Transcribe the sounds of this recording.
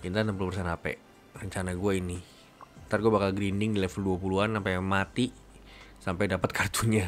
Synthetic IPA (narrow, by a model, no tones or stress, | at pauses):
int̪anampulupərsɛnapɛ̰ | rəɲt͡ʃanaɡuaini | t̪arɡuabakalɡɾindɪŋdilɛfəlduapuluanampajmat̪i | sampajdapət̪̚kʰart̪uɲa